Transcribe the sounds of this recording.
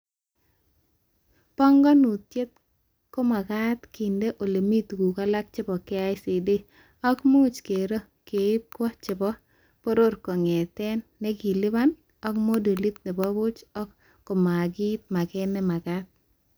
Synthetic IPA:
pɔ˦ŋɡɔ˦nu˨t̪je˦t̪̚ | ko˦ma˨ɡa˦t̪ki˨nde˦ʔo˨le˨mi˦t̪ɡu˨ka˦la˦k̚t͡ʃɪ˦bɔ˨kɛ˦a˦ɪsi˨de˦ | ɔ˦kmo˦t͡ʃke˨ɾo˦ | ke˨˦p̚kɔ˦t͡ʃɪ˨bɔ˦ | po˦ɾo˦ɾko˨ŋɛ˨t̪ɛ˦nːɛ˦ɡi˨lɪ˦ba˦n | ɔ˦kmo˦do˨li˦t̪̚nɛ˨bɔ˦bʊ˦t͡ʃɔ˦kː | ɔ˨ma˨ɡi˦t̪̚ma˨kɛ˦nɛ˦ma˨ɡat̪̚

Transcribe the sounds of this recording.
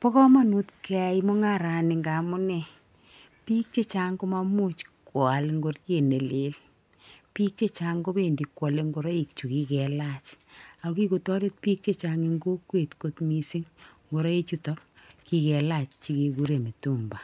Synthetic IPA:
pɔ˦kɔ˦ma˦nu˦tkʰɛ˨˦jmo˦ŋa˦ɾa˨nɪ˨ŋɡa˨mʊ˦nɛ˨ | pi˦k̚t͡ʃe˦t͡ʃa˦ŋko˦ma˧mu˦t͡ʃkwa˨lŋɡo˦tje˨ne˨le˨˦l | pi˦k̚t͡ʃe˦t͡ʃa˦ŋɡo˦be˦˨ndi˨kːwɔ˨le˦ŋɡo˨ɾa˦i˨k̚t͡ʃu˨ki˦kɛ˨la˦t͡ʃa˨o˦ki˦ko˨tɔ˦ɾe˦t̚pi˦k̚t͡ʃe˦t͡ʃa˦ŋi˦ŋɡo˦kwe˨tko˨˦tmi˨si˦ŋŋɡo˨ɾɔ˦i˦t͡ʃu˦tɔ˦k | ki˦kɛ˨la˨t͡ʃt͡ʃi˦ke˨ku˦ɾe˨mi˨tu˦mba˨

